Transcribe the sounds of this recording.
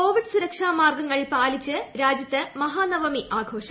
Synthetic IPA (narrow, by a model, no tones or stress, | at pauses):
oːʋiɖɨsuɾɐkʂaːmaːrɡɐŋːɐɭpaːlit͡ɕːɨɾaːd͡ʑjɐt̪ːɨmɐɦaːnɐʋɐmiʔaːɡʱo̞ːʂɐ